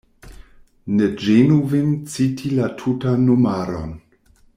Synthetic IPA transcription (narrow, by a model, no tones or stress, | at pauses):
ned͡ʒenuvent͡sitʰilatʰutanːumaɾo̰n